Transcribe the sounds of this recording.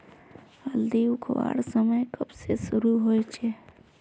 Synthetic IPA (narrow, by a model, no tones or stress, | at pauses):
əld̪iʊkʰwa̰ːɽsəməjkɐbsesʊɾuɦoːjt͡ʃʰe